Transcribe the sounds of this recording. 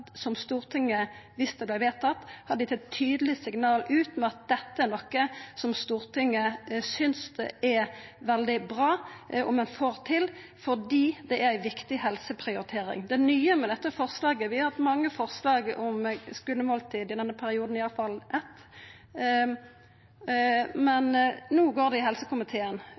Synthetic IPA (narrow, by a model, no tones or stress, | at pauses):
sɔmst̪uːɾt̪ʰɪŋːəʋɪst̪əblæɪʋeːt̪ʰɑt̪ːhɑd̪d̪ɪt̪ʰːɛt̪ʰːyːd̪əlɪsɪɡnɑːlʉːt̪mɛɑt̪̚d̪ɛt̪ːəæɾnɔkːəsɔmst̪uːɾt̪ɪŋːəsʏnsd̪ɛ̰ʔɛʋɛld̪ɪbʁɑːʔɔmɛnfoːɾt̪ʰɪl | fɔd̪iːd̪ɛʔæɾæɪʋɪkt̪ɪhɛlsəpʰɾɪʊɾɪt̪ʰeːɾɪ̰ŋd̪ɛnyːəmɛd̪ɛt̪ːəfɔʁslɑːɡəʋɪhɑt̪mɑŋːəfɔʁslɑːɡɔmskʉlːəmoːlt̪ʰiːd̪ɪd̪ɛnːəpʰæɾɪuːd̪n̩ɪɑlfɑlʔɛt̪ː | mɛnnuːɡoːʁd̪ɛɪɦɛlsəkʰʊmɪt̪ʰeːən